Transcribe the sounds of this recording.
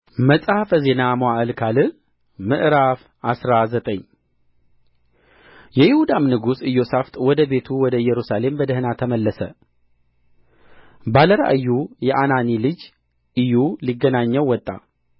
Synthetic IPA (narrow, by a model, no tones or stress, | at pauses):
məsʼahafəze̞namoaʔɨlkʰalɨ | mɨʔɾaf | ʔasɾazət̪ʼəɲː | jɛjɪhud̪amnɨɡusɨjːosaft̪ʼwɔd̪əbe̞t̪ʰuwɔd̪əjɛɾusale̞mbəd̪əhɨnat̪ʰəməlːəsə | baləɾa̰ʔɨjːujɛʔananilɨd͡ʒ | ɨjuliɡːənaɲːəwːɔt̪ʼːa̰